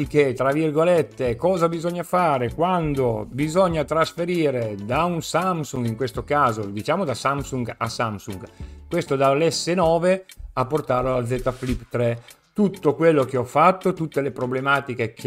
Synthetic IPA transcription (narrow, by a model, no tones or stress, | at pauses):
ikːet̪ɾavirɡolet̪ːekɔːzabizɔɲːafaːɾekwand̪obizɔɲːat̪ɾasfeɾiːɾed̪aunsamsuŋɡiŋkwest̪okaːzod̪it͡ʃaːmod̪asamsuŋɡa̰samsuŋɡkwest̪od̪alːɛsːenɔːveapːort̪aːɾalad̪zɛːt̪aflipt̪ɾɛ | t̪ut̪ːokwelːok̟eɔfat̪ːot̪ut̪ːelepɾoblemaːt̪ikekʰ